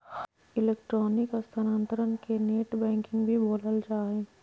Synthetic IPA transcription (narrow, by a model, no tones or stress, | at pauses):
ɪleːkʈɾoːnɪkəst̪ʰanãnt̪əɾənkeneːʈbɛ̃ːŋkɪ̃ŋɡbʱiboːləld͡ʒaːɦẽː